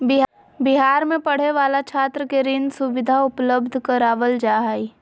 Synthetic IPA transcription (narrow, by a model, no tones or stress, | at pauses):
bɪɦ | bɪɦaːɾmẽpɐɽ̤eʋaːlat͡ʃʰaːt̪ɾəkeɾɪnd̪sʊʋɪd̪ʱaʊpləbd̪ʱkəɾaːʋəld͡ʒaːɦai